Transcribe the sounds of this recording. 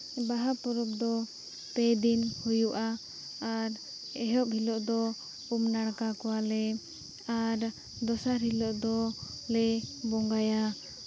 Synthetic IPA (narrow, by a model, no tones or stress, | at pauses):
baɦapɔɾɔb̚d̪ɔ | pɛjd̪inhujuʔaː | ɾ | ɛɦɔʔ̚hilɔʔd̪ɔ | umnaɽkakɔwalɛ | aɾ | d̪ɔsaɾɦilɔʔd̪ɔ | lɛbɔŋɡaja